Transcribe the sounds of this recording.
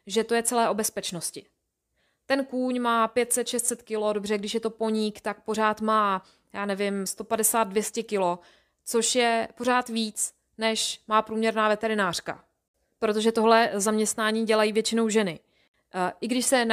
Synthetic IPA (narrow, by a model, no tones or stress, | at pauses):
ʒɛt̪o̞jɛt͡sɛlɛːʔo̞bɛspɛt͡ʃnoscɪ | t̪ɛnkuːɲmaːpjɛt̪sɛt̪ʃɛst̪sɛt̪kɪlo̞do̞br̝ɛɡdɪʃjɛt̪o̞po̞ɲikt̪ak̚po̞r̝aːt̪maː | jaːnɛvɪmst̪o̞padɛsaːd̪̚dvjɛscɛkɪlo̞ | t͡so̞ʃjɛpo̞raːt̪viːt͡s | nɛʃmaːpɾuːmɲɛɾnaːvɛt̪ɛɾɪnaːr̝̥ka̰ | pɾo̞t̪̬o̞ʒɛt̪o̞ɦlɛzamɲɛst̪naːɲiːɟɛlajiːvjɛt͡ʃɪno̞wʒɛnɪ | ʔɪɡdɪʃsɛn